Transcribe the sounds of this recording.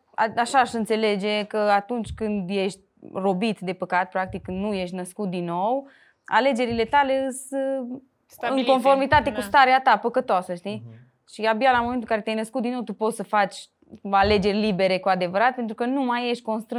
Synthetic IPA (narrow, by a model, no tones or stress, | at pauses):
aaʃaːʃɨnt̪se̞le̞d͡ʒe̞kəat̪unt͡ʃʲkɨnd̪je̞ʃt̪̚ʲro̞bit̪d̪e̞pəkat̪̚pɾak̚t̪ikɨnuje̞ʃt̪ʲnəskut̪̚d̪inːow | a̰le̞d͡ʒe̞ɾile̞t̪ale̞ɨs | ɨŋko̞nfo̞ɾmit̪at̪e̞kust̪aɾeat̪apəkət̪oasəʃt̪i | ʃiabialamoment̪uɨŋkaɾet̪jajnəskut̪d̪inːowt̪upo̞t̪səfat͡ʃʲ | ale̞d͡ʒe̞rʲlibe̞ɾe̞kuad̪e̞vəɾat̪̚pe̞nt̪ɾukənumaje̞ʃt̪̚ʲko̞nst̪ɾɨ